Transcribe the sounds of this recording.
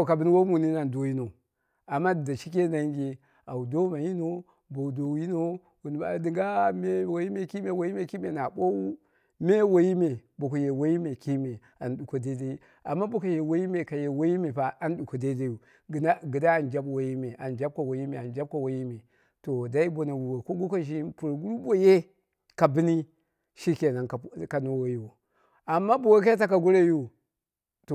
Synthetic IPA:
o˨ka˨bi˦n˦wo˦mu˨ni˦na˨ndo˨˦ji˦no˨ | a˨mːa˦di˨da˨ʃi˦ke˦na˦ŋ˦ɡʲe˨ | a˨wu˨do˦ma˨ji˦no˦ | bo˨u˨do˨˦ji˦no˦ | wu˨n˨ba̰˨˦di˨ŋɡa˦˨me˦wo˨ji˦me˨ki˦me˨wo˨ji˦me˨ki˦me˨na˨ɓo˦wu˦ | me˦wo˦ji˦me˨bo˨ko˨je˨wo˦ji˦me˨ki˦me˨ | a˨nɗu˨ko˨de˦da˦i˦ | a˨mːa˦bu˦ka˨je˨wo˦ji˦me˨ka˨je˨wo˦ji˦me˨pa˨a˦n˦ɗu˨ko˨da˦da˦ju˨ | ɡna˦ɡi˨da˦a˨nd͡ʒa˦bwo˨ji˦me˨ʔa˨nd͡ʒa˦b̚ka˨wo˨ji˦me˨a˨nd͡ʒa˦b̚ka˨wo˨ji˦me˨ | to˨da˦i˦bo˨na˨wu˨wo˨ko˦ɡu˦ka˦ʒi˦pu˨ɾɡu˦ɾu˦bo˦je˦ | ka˨bi˦ni˦ | ʃi˦ke˨na˨nkka˨no˦wo˦ji˦wo˨ | a˨mːa˦bo˨we˦k̬a˦t̬a˦ka˨ɡu˦ɾe˦ju˦ | to˨

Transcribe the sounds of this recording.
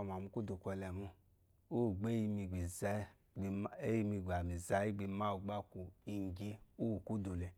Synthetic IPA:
m˨a˨mu˧ku˦du˨kʷɛ˧lɛ˨mu˧ | u˦˨ɡ͡be˦ji˧mi˧ɡ͡bi˨z | e˦i˧mi˧ɡa˨mi˨za˨˦i˦ɡ͡bi˧ma˦u˧ɡ͡ba˦ku˨i˧˨ŋ˨ɡi˦u˦wu˨ku˦du˨le˧

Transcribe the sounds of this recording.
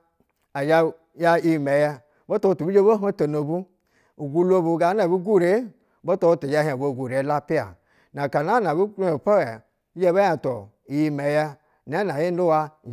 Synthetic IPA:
a˨d͡ʒa˦ | ja˦i˦˨me˨jɛ˦ | bo˦to˦˨tu˨bi˦d͡ʒe˦bo˦ɦo˦to˨no˨bu˦ | u˨ɡu˦lo˦˨bu˨ɡa˨˦na˨bu˦ɡu˦ɾe˨˦ | bo˦to˦to˨d͡ʒa˦˨ɦi˦a˨bo˨˦˨ɡu˨ɾe˨˦la˦pi˦a̰˨ | na˨ka˨na˦na˨bu˦u˦˨pa˦we˨ | i˦d͡ʒe˦ba˦ja˨to˨ | i˨ji˦me˨jɛ˦ | n˨a˦na˨ji˦n˦u˦wa˧˨

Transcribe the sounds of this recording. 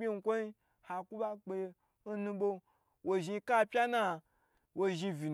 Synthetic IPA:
bʲi˦ŋ̩˧˦kʷo˦i˦ | ha˨ku˦ɓa˦k͡pe˧j | n̩˦nũ˧ɓo˧ | wʔo˨ʒi˧˦ka˦pʲa˦na˦ | wʔo˧ʒi˧vi˨n

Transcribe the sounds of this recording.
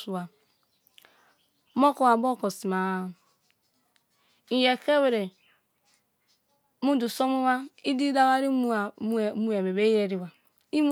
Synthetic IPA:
su˨wa˨ | mo˦ko˨wa˨bo˦˨ko˨si˨ma˦˨ | i˨je˨ke˦we˨ɾe˨ | mu˦du˨so˦mu˦wa˦i˦di˦da˦wa˦ɾi˦m˦˨˦mu˦e˨be˨be˦je˦ɾi˨wa˨ | i˦m˦

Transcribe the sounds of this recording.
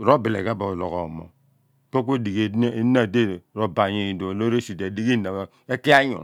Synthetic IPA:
ɾo˦bi˨lḛ˨ɡa˦bo˨lo˨ɣo˨mo̰˨ | ko˦k̬o˦di˨ɡe˨˦na˨de˦˨ɾo˨˦ba˨ɲe˨do˨lo˦ɾe˦si˨de˨di˦ɡi˦˨na˨ | e˦ki˦a˦ɲo̰˨

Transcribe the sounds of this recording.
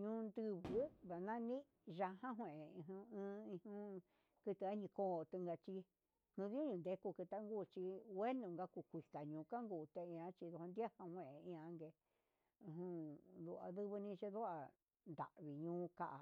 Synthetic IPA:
ɲũ˧˦nd̪ɨ˧βɨ˦βa˨nã˦nĩ˦ | ʒa˧hã˦ɦʷẽ˨e˨ĩ˧ɦũ˧ɨ̃ː˧˦ĩ˧hũ˦˧ | kɨ˧t̪ɨ˧a˦ɲĩ˧koː˦˨˧t̪ɨ˧ŋɡa˧t͡ʃi˧ | nũ˧ðũ˦ɲũ˧nd̪e˧ku˧kɨ˧t̪a˦ŋɡuː˦˨t͡ʃi˧we˦nũ˧ŋɡa˧ku˧kʷi˨ka˨ɲũ˨ka˦ŋɡuː˧˨t̪e˧ĩ˧ã˧˦t͡ʃi˧ðu˧hã˧nd̪ja˦hã˧hwẽ˧˨e˨ĩ˧ã˧ŋɡe˧ | ĩ˧ɦũ˧ðu˧ʔa̰˧ðɨ˦βɨ˧nĩ˧t͡ʃe˦ðu˦a˧ | nd̪a̰˨ʔβi˨ɲũː˧˦ka˧˦ʔa˨

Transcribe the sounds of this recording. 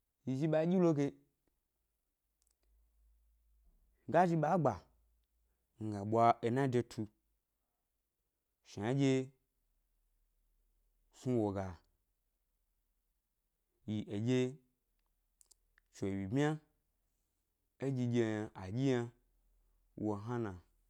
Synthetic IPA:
ji˨ʒi˧ɓa˧˦ɡʲi˦lo˦ɡe˧˦ | ɡa˦ʒi˧ɓa˨˦ɡ͡ba˨ | ŋ̩˨ɡa˨ɓʷa˧e˧na˦de˧tʰu˧ | ʃi˨a˨˦d͡ʒʲe˧ | su˦wo˨ɡa˨ | ji˨ʔe˨ɡʲe˦ | t͡ʃo˨wi˨bmʲ˦a˦ | e˦d͡ʒʲi˧ɡʲe˧ja˧ʔa˨ɡʲi˦ja˧ | wo˨ɦa˦nã˨

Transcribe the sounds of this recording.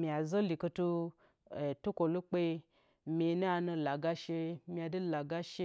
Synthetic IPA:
mi˨a˨zo˦li˨ko˧tu˧˨ | tu˦ko˨lu˦k͡pe˧ | mʲi˧˦nu˦a˧nu˧la˨ɡa˦ʃe˧mʲi˧a˧du˦la˨ɡa˦ʃe˧

